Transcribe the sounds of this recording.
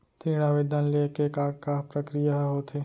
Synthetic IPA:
t̪ĩːɽ̃aʋɪd̪ʱanlekekaːkapɾəkɾijaɦɦoːt̪ʰeː

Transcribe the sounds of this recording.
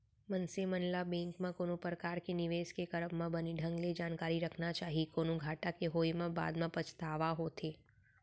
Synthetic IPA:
mənsemənlabɛ̃ŋkmãkonõpɾəkaɾkenɪʋeskekəɾəmmãbəniɖʱə̃ŋɡled͡ʒankaɾiɾəkʰnat͡ʃaɦikonũɡʱaʈakeɦojmãba̰d̪mãpət͡ʃʰt̪aʋaɦot̪ʰe

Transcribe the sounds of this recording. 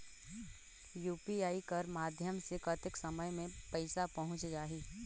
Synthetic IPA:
juːpiaːikɐɾmaːd̪ʱjəmsekɐt̪ɪksɐməjmẽpɐɪsapɐɦʊ̃t͡ʃd͡ʒaːɦiː

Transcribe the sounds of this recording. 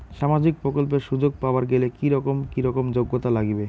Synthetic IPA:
ʃamad͡ʑik̚pɾokolp̬eɾʃud͡ʑoɡ̚paoaɾɡelekiɾɔkomkiɾɔkomd͡ʑoɡːot̪alaɡibe

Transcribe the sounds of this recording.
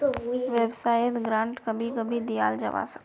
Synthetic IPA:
ʋɛbsaːjət̪ɡɾãːɳʈkɐbʱikɐbʱid̪ija̰ːld͡ʒɐ̰ʋa̰ːsə̥k

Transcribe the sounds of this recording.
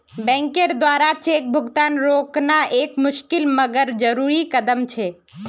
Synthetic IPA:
bɛ̃ŋkeɾd̪ʋaɾat͡ʃeːk̚bʱʊɡt̪anɾoknaʔeːkmʊʃkɪlməɡəɾd͡ʒəɾuɾikəd̪əmt͡ʃʰe

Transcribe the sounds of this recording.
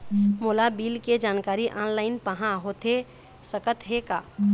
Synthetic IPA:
molabilked͡ʒankaɾiʔanlaɪnpəɦãɦot̪ʰe | səkət̪ɦeka

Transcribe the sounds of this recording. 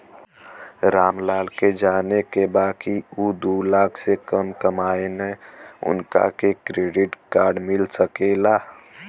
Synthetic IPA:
ɾaːmlaːlked͡ʒaːnekebaːkiud̪ulaːkʰsekəmkəmaːeneʊ̰nka̰kekɾeːɖɪʈkaːɾɖmɪlsəkela

